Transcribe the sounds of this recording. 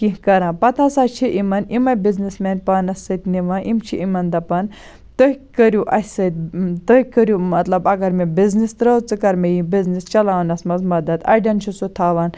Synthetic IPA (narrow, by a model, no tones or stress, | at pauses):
kikɐɾãːpɐt̪ʰasaːt͡ʃʰiʔimɐnimɐbiznismeːnpɐːnɐsːɐt̪niʋãːʔimt͡ʃʰiʔimɐnd̪ɐpɐn | t̪əɦkɐɾjuʔɐsɐt̪̚t̪ɐkɐɾʲjumɐt̪lɐbɐɡɐɾmebiznist̪ɾɐwt͡sɨkɐɾmejibiznist͡ʃɐlaːʋnɐsmɐzmɐd̪ɐd̪ɐ̰ɖʲɐnt͡ʃʰisut̪ʰaːʋɐn